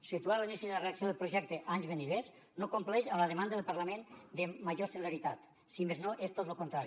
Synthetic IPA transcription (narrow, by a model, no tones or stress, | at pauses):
sit̪uaɾlinisiðeləreaksioðelpɾoʒɛk̚t̪eʔaɲzβeniðez | nokomplɛʃəmləðemand̪əðelpaɾlamend̪emaʒoseleɾit̪at̪ | simeznoʔest̪ot̪lokont̪ɾaɾi